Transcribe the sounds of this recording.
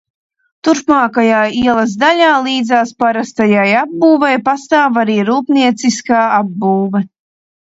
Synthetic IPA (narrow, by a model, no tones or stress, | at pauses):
t̪uɾpmaːkajaːiɛlˠɐzd̪aʎʲaːlˠiːd̪zaːspaɾast̪ajajabːuːvɛjpast̪aːvaɾiːɾuːpniɛt̪siskaːabːuːvɛ